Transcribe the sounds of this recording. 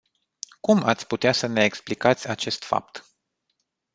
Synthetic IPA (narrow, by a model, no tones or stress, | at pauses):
kuma̰t̪sʲput̪easəne̞ːksplikat̪sʲat͡ʃe̞st̪fa̰p̚t̪